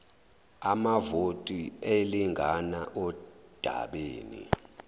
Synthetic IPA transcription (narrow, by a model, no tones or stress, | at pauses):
amavotʼieliŋʱanaʔɔd̥ʱa̰ɓeːnḭ